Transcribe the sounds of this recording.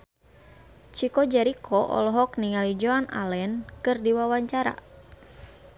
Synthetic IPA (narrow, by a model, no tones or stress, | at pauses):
t͡ʃikɔd͡ʒɛɾikʰɔʔɔ̰lɔɦɔk̚niŋalid͡ʒoanʔa̰lɛnkɨrdiwawaɲt͡ʃaɾa̰